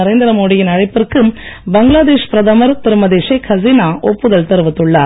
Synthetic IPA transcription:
ɐɾeːnd̪ɐɾɐmoːɽɪjɪnɐɻɐɪpːɪrkɯmbɐŋɡlaːd̪eːʂpɪɾɐðɐmɐɾt̪ɪɾɯmɐðeːʂɐkʰɐzinaːʔɔpːɯðɐlt̪ɐɾɯʋɐt̪ːɯɭːɐ

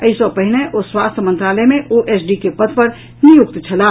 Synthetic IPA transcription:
əisɔpəɦineʔoswast̪ʰəmənt̪ɾaləmeʔoʔesɖikepəd̪ʱpəɾ | nijuk̚t̪t͡ʃʰəla

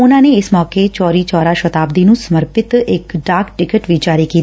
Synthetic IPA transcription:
ʊnãːneːɪsmɔːket͡ʃɔːɾiːt͡ʃɔːɾaːʃət̪aːb̚d̪iːnũːsəməɾpɪt̪ɪkɖaːkʈɪkəʈʋiːd͡ʒaːɾiːkiːt̪i

